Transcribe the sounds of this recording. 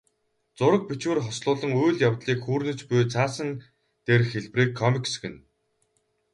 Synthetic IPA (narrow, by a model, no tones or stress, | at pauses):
t͡sʊɾə̆k̚pit͡ɕwɘ̆rχɔsɮʊːɮə̆ŋujɮjawt̪ɮiːkxuːrnɵ̆t͡spujt͡sʰaːsə̆n | t̪erxeɮpriːkʰːɔmiksɡɘ̆n